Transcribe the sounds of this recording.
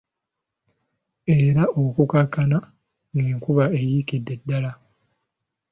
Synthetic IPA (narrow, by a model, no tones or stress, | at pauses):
e̞ːɾaokukakːana | niːŋkuβae̞jikidːe̞dːala